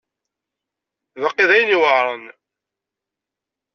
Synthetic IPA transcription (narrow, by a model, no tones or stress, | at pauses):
vəqːiðæjəniwəʕɾˤən